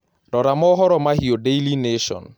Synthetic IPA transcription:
ɾɔɾamɔɦɔɾɔmaɦiodejlineʃɔ̰n

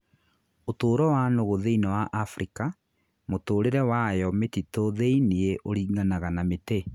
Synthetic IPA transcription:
otoːɾɔwanoɣoðeinɛwaʔafɾʔika | motoːɾeɾɛwajɔmetitoðeinieʔoɾiːɡanaɣanamete

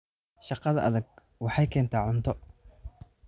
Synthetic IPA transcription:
ʃɑqɑðɐʔɐðɐɡ̚ | wɑħɑjkʰɛːnt̪ʰaːʕʊnt̪ʰɔ

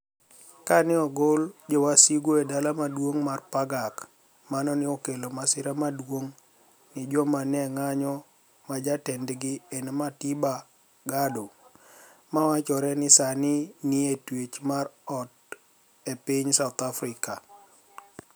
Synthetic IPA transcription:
kanɪɔɡold͡ʒowasiɡoedalamadwoŋmarpaɡak | manɔnɪɔkelomasɪɾamadwoŋ | nɪd͡ʒɔmanɛŋaɲɔ | mad͡ʒatɛndɡɪenmatiba | ɡado | mawat͡ʃɔɾɛnɪsanɪnɪetwet͡ʃmarɔt̚ | epɪɲsaʊt̪afɾɪka

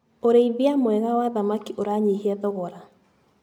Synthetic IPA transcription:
oɾeiβiamwɛɣawaðamakiʔoɾaɲiɦiɛðɔɣɔɾa

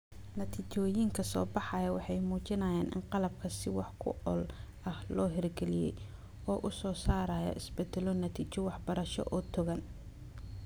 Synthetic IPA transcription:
nɐt̪ʰit͡ʃɔːjiŋkʰɐsɔ̰ːbɑħɑjɐwɑħɑjmuːt͡ʃɪnɐjaːnʔɪ̰nqɑlɐb̚kʰɐsɪwɑħkʰʊ̰ɔl | ɐhlɔːɦɪrɡɛlɪjɛ̰j | ɔːʔʊsɔːsaːɾɐjɐ̰ʔɪsbɛd̪ɛlɔnɐt̪ʰiːt͡ʃɔwɑħbɐɾɐʃɔ̰ʔɔːt̪ʰʊɣɐn

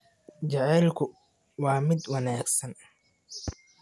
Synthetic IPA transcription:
t͡ʃɐʕɛːlkʰʊ | wɑːmɪd̪wɑnaːɡsɐn

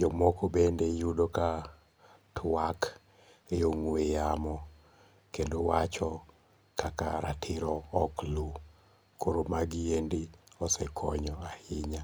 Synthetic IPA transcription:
d͡ʒɔmɔkobendejudoka | tʰwak | eoŋwejamɔ | kendowat͡ʃɔ | kʰaka̰ɾa̰tʰɪɾɔːklu | kʰoɾomaɡijendiɔsɛkʰɔɲɔahɪɲa

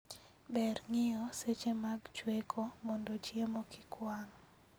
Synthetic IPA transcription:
bɛɾŋɪjɔset͡ʃemaɡt͡ʃwekʰomɔndot͡ʃjemokɪkʰwaŋ

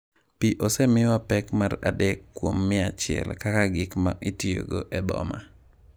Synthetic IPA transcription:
piʔosɛmɪwapɛkmara̰dɛkːwomːɪat͡ʃɪɛ̰lkakaɡɪkma̰ʔitijo̰ɡo̰ʔɛd̪ɔ̰ma̰

